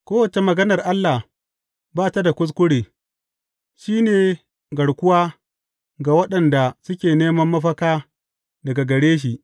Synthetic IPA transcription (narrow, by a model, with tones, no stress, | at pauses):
kʷoː˦wɐ˨t͡ʃe˨mɐ˨ɡɐ˦nɐ˨rʔa˦lːa˨h | baː˦ta˦da˨kʷʊ˦s̬kʷʊ˦ɽeː˨ | ʃiː˦neː˨ | ɡɐ˨ɽkʷʊ˦waː˦ | ɡa˨wɐ˦ɗɐ˨nda˨sʊ˦kʲeː˨neː˦mɐ˦mːɐ˦ɸɐ˦kaː˦ | dɐ˨ɡa˨ɡɐ˨ɽeː˦ʃ̬i˨ʔ